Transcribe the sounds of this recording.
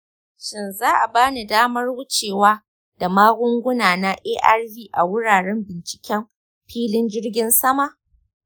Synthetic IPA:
ʃɪ˦nzaː˦ʔa˨baː˦ni˨daː˦mɐ˦rwʊ˦t͡ʃeː˨waː˦ | da˨maː˦ɡʷʊ˦ŋɡʷʊ˦naː˨na˦ʔeː˦ʔa˦rviː˦ʔa˨wʊ˦ɽaː˨ɽɛ˦mbɪ˨nt͡ʃɪ̥˨kʲɛ˦m | ɸiː˦lɪ˦nd͡ʒɪ˦rɡʲɪ˦nsɐ˦ma˦ʔ

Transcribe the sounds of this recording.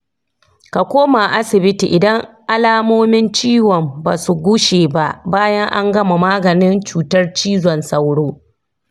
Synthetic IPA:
ka˨kʷoː˦ma˨ʔa˦sɪ˨bɪ˦tḭ˨ʔɪ˨dɐ˦ŋʔa˦laː˦moː˦mɪ˦nt͡ʃiː˦wɔ˨mba̰ː˨su˨ɡʷʊ˦ʃeː˨ba˦ʔbaː˦jɐ˦ŋʔa˦ŋɡɐ˦ma˨maː˦ɡɐ˨nɪ˦nt͡ʃuː˨tɐ˦rt͡ʃiː˦zɔ˨nsɐ˦wɽoː˦

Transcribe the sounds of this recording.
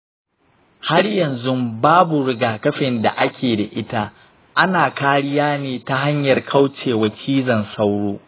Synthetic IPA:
ha˦rjɐ˨nzʊ˦mbaː˦bu˨ɽɪ˦ɡaː˨kɐ˦ɸɪ˨nda̰˨ʔa˦kʲʰeː˨da˨ʔɪ˦ta˦ | ʔa˦naː˨kaː˦ɽɪ˦jaː˦neː˨ta˦ɦa˦ɲjɐ˨rkʰa˦wt͡ʃeː˨wɐ˨t͡ʃʰiː˦zɐ˨nsa˦wɽoː˦

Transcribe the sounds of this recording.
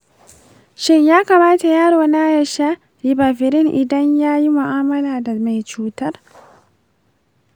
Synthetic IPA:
ʃɪ˦ɲjaː˦kaː˨maː˦ta˨jaː˦ɽoː˨na˦jɐ˨ʃa˦ | ɾi˨baː˨ɸɪ˨ɾɪ˦ŋʔɪ˨dɐ˦ɲjaː˦ji˦mʊ˨ʔaː˦mɐ˦laː˨da˨ma˨jt͡ʃuː˦tɐ˦r

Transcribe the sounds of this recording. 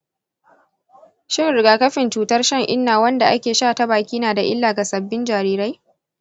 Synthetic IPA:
ʃɪ˦ŋɾɪ˨ɡaː˨kɐ˦ɸɪ˨nt͡ʃuː˨tɐ˦rʃɐ˦ŋʔɪ˦nːaː˨wɐ˦nda˨ʔa˦kʲeː˨ʃaː˦˨ta˦baː˨kʲiː˦naː˨da˨ʔɪ̰˦lːaː˨ɡa˨sɐ˨bːɪ˦nd͡ʒaː˨ɾiː˦ɾa˦j

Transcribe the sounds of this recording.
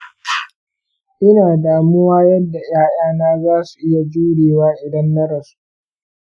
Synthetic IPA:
ʔɪ˦naː˨daː˨mʊ˦waː˦jɐ˦dːa˨j̰aː˦j̰aː˦naː˦zaː˦su̥˨ʔɪ˦ja˨d͡ʒuː˦ɽeː˨waː˦ʔɪ˨dɐ˦nːɐ˦ɽɐ˨su̥˦ʔ

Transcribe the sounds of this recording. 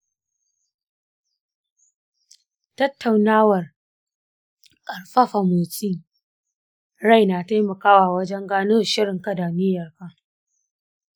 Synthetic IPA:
tɐ˦tːa˨wnaː˦wɐ˨r | kʼɐ˨ɽɸɐ˦ɸa˨moː˨t͡sʼiː˦ | ɽa˦˨jna˨ta˦jmɐ˨kaː˦waː˨wɐ˦d͡ʒɛ˦ŋɡaː˦nu˦˨ʃɪ˦ɽɪ˨ŋka˦da˨mɪ˦jɐ˨rka˦

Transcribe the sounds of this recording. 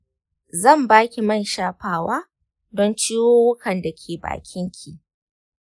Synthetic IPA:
zɐ˦˨mbaː˦kʲi˨mɐ˦˨nʃaː˦ɸaː˨waː˦ | dɔ˦nt͡ʃiː˦woː˦wʊ˦kʰɐ˨nda˨kʲʰeː˨ba̰ː˨kʲɪ˦ŋkʲʰi˨ʔ

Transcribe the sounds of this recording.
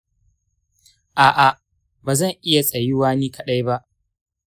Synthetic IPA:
ʔaː˨ʔa˨ | baː˨zɐ˦˨ŋʔɪ˦ja˨sʼɐ˨jɪ˦waː˦niː˦kɐ˦ɗa˦jba˦ʔ

